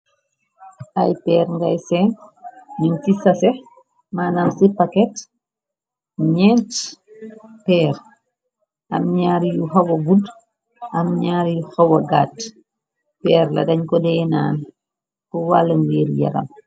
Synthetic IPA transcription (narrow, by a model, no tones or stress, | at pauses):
ʔajpɛːɾŋɡajsɛnɲumtisɐsɛ | maːnamsipakɛt | ɲɛnt | pɛːɾ | ʔɐ̰mɲaːɾjuxɐwɐɡud | ʔɐmɲaːɾjuxɐwɐɡaːt | pɛːɾlɐdɐɲkɔdɛnaːn | kɔwalɐŋɡiːɾjɐ̰ɾɐ̰m